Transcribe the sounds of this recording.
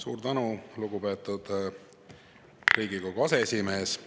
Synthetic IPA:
sṵːɾt̪ænuluɡupe̞ːt̪ːˑud̪̥ | rijɡikoɡ̥uɑse̞esʲime̞ːs

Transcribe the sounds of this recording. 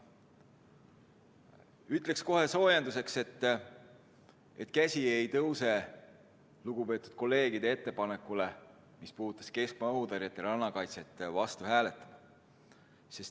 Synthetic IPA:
yt̪ːˑle̞ksko̞he̞so̞ːjend̪use̞kse̞t̪ːˑ | et̪kæsʲiejt̪ɤwse̞ | luɡ̥upe̞ːt̪ːˑud̪̥̚ko̞lːe̞ːɡ̥id̪̥e̞e̞t̪ːe̞pɑne̞kːˑule̞ | mispuːt̪ːˑɑ̥ske̞skmɑod̪ɑɾjɑt̪ːˑeɾɑnːɑkɑjt̪se̞t̪ːˑvɑst̪uhæːlet̪ːˑɑd̪̥ɑ | se̞st

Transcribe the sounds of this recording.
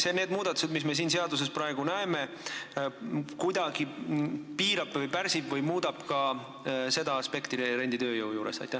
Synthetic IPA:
seneːd̪̚muːd̪̥ɑt̪ːˑu̥se̞d̪misme̞siːnse̞ɑd̪us̬e̞spɾɑe̞ɡ̥unæeme̞ | kujd̪̥ɑɡ̥ipiːɾɑb̥vɤjpæɾsibvɤjmuːd̪̥ɑb̥kɑ | se̞d̪ɑɑspe̞kt̪iɾe̞nʲd̪it̪ø̞ːjowjuːɾe̞̰sɑ̰jt̪ːˑæ

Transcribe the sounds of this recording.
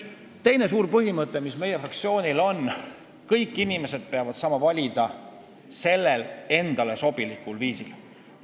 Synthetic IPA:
t̪e̞jne̞s̬uːɾpɤɦimɤt̪ˑːe̞misme̞jefrɑkt̪sio̞ːnʲilo̞n | kɤjkːˑinime̞se̞d̪̥̚peɑvɑd̪̥sɑːmɑvɑlʲid̪̥ɑ | se̞lːele̞nd̪̥ɑle̞so̞b̥ilikːˑulviːsil

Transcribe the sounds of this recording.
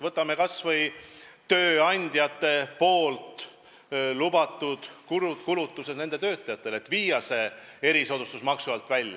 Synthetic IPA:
vɤt̪ːˑɑme̞kɑsvɤjt̪ø̞ːɑnʲd̪̥ʲjɑt̪ːˑe̞po̞ːlt̪ˑ | lubɑt̪ːˑud̪̥kuɾukulut̪ːˑuse̞ne̞nd̪et̪ø̞ːt̪ːˑɑjɑt̪ːˑe̞le̞t̪ːˑviːjɑse̞e̞ɾiso̞d̪ust̪usmɑksuvɑlt̪ˑvælʲjɑ

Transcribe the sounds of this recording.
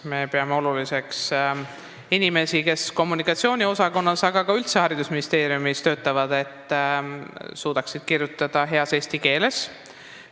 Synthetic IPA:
me̞pe̞ɑmeo̞lulise̞ks | inime̞sike̞sko̞mːunikˑɑt̪sio̞ːnʲio̞sɑko̞nːɑsɑɡ̥ɑɡɑylt̪sehɑɾid̪̥usminʲist̪e̞ːɾiumist̪ø̞ːt̪ːˑɑvɑd̪̥e̞t̪ːˑ | suːd̪̥ɑksid̪̥kirjut̪ːˑɑd̪̥ɑɦe̞ɑse̞sʲt̪ike̞ːle̞s

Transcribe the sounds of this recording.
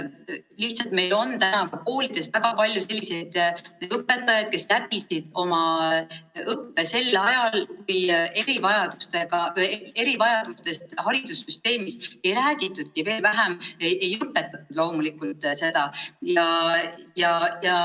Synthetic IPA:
liht̪sɑlt̪̚me̞jlo̞nt̪ænɑkɑko̞ːlid̪̥e̞svæɡ̥ɑpɑlʲjuse̞lʲːise̞jd̪̥ɤpːˑe̞t̪ːˑɑjɑd̪̥̚ke̞slæbisid̪̥o̞mɑ | ɤpːe̞se̞lɑjɑlkuje̞ɾivɑjɑd̪̥ust̪e̞ɡ̥ɑe̞ɾivɑjɑd̪̥ust̪e̞st̪hɑɾid̪̥usːyst̪e̞ːmise̞jɾæːɡ̥it̪ːˑud̪̥̚kive̞ːlvæɦæmejʔe̞jɤpːˑe̞t̪ːˑɑt̪ːˑud̪̥lo̞wmulikˑult̪ˑse̞d̪̥ɑjɑjɑjɑ

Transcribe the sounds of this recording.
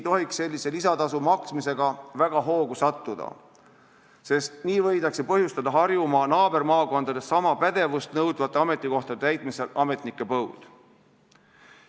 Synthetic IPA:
t̪o̞ɦiksːe̞lʲːise̞lisɑt̪ɑsumɑksmise̞ɡ̥ɑvæɡ̥ɑɦo̞ːɡusɑt̪ːud̪̥ɑ̰ | se̞st̪niːvɤjd̪ɑksepɤhjust̪ɑd̪ɑɦɑrjumɑnɑːbe̞ɾmɑːko̞nd̪̥ɑd̪e̞ssɑmɑpæd̪̥e̞vust̪nɤwd̪̥vɑt̪ːˑeɑme̞t̪ːˑiko̞ht̪ɑd̪et̪æjt̪̚ˑmise̞lɑme̞t̪nikːˑe̞pɤwd̪̥

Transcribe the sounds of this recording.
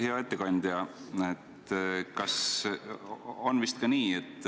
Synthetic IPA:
heɑe̞t̪ːekɑnʲd̪̥jɑet̪kɑs | onvist̪̚kɑniːet̪ːˑ

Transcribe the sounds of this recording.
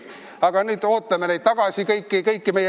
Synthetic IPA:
ɑɡ̥ɑnyːd̪o̞ːt̪ːˑɑmenejt̪̚t̪ɑɡ̥ɑsʲikɤjkːikɤjkːimej

